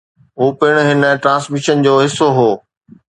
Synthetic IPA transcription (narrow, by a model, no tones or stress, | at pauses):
ɦuːpɪɽ̃ɦɪnəʈɾãːsmɪʃənd͡ʑoːɦɪsːoɦoː